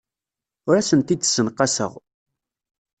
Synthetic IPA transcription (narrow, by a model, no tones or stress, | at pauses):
ʊɾæsənt̪id̪sːənqɑsə̰ʁ